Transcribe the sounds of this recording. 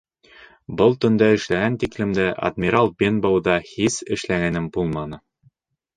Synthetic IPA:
bɤlˠt̪ɵ̆nd̪ɑɘ̆ʃlæɡænt̪iklɘ̆md̪ɘʔɐ̰d̪mʲiɾɑlˠbʲenbowd̪ɑhisɘ̆ʃlæɡænɘmbulˠmɑnɤ

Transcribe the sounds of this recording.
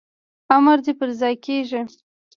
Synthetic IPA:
amaɾd̪epəɾzɑjkeʒi

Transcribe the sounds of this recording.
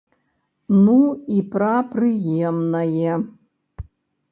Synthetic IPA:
nuipʰrapʰrɨjemnajɛ

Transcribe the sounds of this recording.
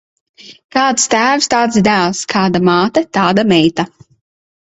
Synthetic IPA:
kaːt̪st̪æːwst̪aːt̪sd̪ælˠskʰaːd̪amaːt̪ɐt̪aːd̪amɛjt̪a

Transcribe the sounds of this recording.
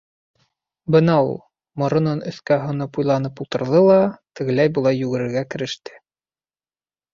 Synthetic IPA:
bɤnɑṵlˠ | mŏɾŏnɤnɵ̆θkæɦŏnɤpujlˠɑnɤpulˠt̪ɤ̆ɾðɤlˠɑt̪ɘ̆ɣɘ̆læjbulˠɑjːʉɡɘ̆ɾɘ̆ɾɡækɘ̆ɾɘ̆ʃt̪ɘ̥

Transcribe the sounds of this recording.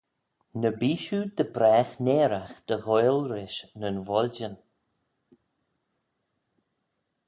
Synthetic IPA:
nəbiːʃud̪əbɾɛːxneːɾaxd̪̥əɣɔjlɾɪʃnənvɔlʲd͡ʒən

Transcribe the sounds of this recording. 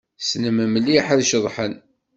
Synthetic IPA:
snəmæməlːiħæðʃəðˤħən

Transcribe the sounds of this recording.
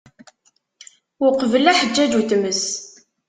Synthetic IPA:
ʊqvəlæħəd͡ʒːæd͡ʒut̪məs

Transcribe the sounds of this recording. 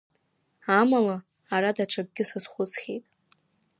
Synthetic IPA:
amalaː | ɾadaʈ͡ʂʰab̚ɡʲɪsɨzχʷʊt͡sχʲejtʼ

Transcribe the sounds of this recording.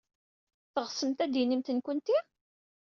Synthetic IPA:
θəʁsəmt̪æd̪inimt̪ənkənt̪i

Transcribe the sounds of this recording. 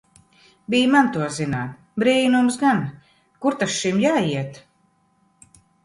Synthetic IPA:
bijmant̪uɔzinaːt̪̚ | bɾiːnumsɡan | kuɾt̪asʃimjaːiɛt̪

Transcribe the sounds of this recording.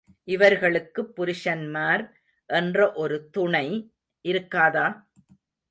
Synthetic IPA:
ʔɪʋɐɾɣɐɭɯkːɯpːʊɾɪʂɐnmaːɾ | ʔɛndrɐʔɔɾɯt̪ʊɳɐɪ | ʔɪɾɯkːaːðaː

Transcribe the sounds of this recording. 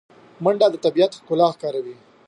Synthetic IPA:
maɳɖɑd̪ət̪abijat̪xkʊlɑxkɑːɾawi

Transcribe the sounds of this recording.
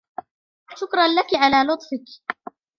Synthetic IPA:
ʃʊkɾˤɑnlakʕalaːlʊt̪ˤfɪk

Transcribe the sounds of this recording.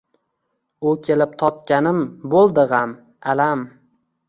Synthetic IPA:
ʊkʲʰe̞lɪp̚t̪ʰɒt̪kʲanɪmbolˠd̪ɪʁam | alam

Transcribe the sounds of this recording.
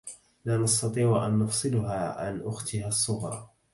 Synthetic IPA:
laːnɑst̪ɑt̪ˤiːʕʔanːʊfsˤɨlʊɦaːʕa̰nʔʊxt̪ɪhasˤːʊɣɾˤɑ̰ː

